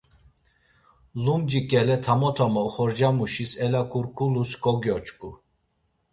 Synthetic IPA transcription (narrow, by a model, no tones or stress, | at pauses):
lumd͡ʒikʼɛlɛt̪ʰamɔt̪ʰɔmauχɔɾd͡ʒamuʃisɛlakʼuɾkʰʼuluskʼɔɡjɔt͡ʃʼkʼu